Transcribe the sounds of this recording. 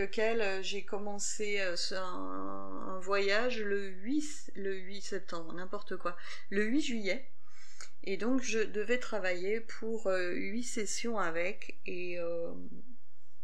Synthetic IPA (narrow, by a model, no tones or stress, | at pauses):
ləkʲɛløʒekɔmɑ̃s | e | øs | ɛ̃ | ɛ̰̃vwajaʒlə | ɥis | ləɥisɛp̚t̪ɑ̃bʁənɛ̃pɔʁt̪əkwa | ləɥiʒɥijɛ | ed̪ɔ̃kʒəd̪əvɛt̪χavajepʰuʁø | ɥisesjɔ̃avɛk | e | ø | m